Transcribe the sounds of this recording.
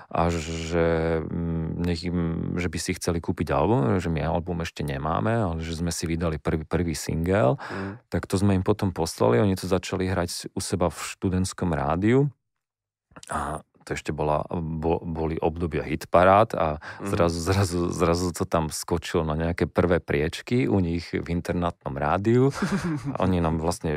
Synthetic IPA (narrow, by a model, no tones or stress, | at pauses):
ʔa̰ʒɛ | ɲɛɣimʒɛbisixt͡sɛlikuːpiɟa̰lbumʒɛmia̰lbumɛʃcɛɲɛma̰ːmɛalɛʒɛzmɛsiʋid̪alipr̩ʋipr̩ʋiːsḭŋɡɛlt̪akt̪ɔzmɛimpɔt̪ɔmpɔsla̰liɔɲit̪ɔzat͡ʃaliɦɾaɟusɛbafʃt̪ud̪ɛnt̪skɔmɾa̰ːd̪iu | at̪ɔɛʃcɛbɔla̰bɔbɔliʔɔbd̪ɔbɪa̰ɦit̪paɾaːt̪azɾazuzɾazuzɾazut̪ɔt̪amskɔt͡ʃilɔnaɲɛakɛːpr̩ʋɛːpɾɪɛt͡ʃkiuɲiɣvint̪ɛɾnat̪̚nɔmɾaːd̪iua̰ʔɔ̰ɲinaːmʋlasɲɛ